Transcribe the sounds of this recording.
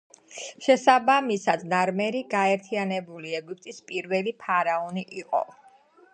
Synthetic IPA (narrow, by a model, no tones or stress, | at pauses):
ʃɛsabamisad̪naɾmɛɾiɡaɛɾt̪ʰianɛbuliɛɡup̚ʰʼt̪ʼispʼiɾvɛlipʰaɾaɔniʔiqʼɔ̰